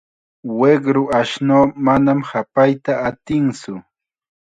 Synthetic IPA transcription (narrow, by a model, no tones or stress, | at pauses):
weɢɾʊʔaʃnoːmanamhapajt̪aːt̪ɪŋsʊ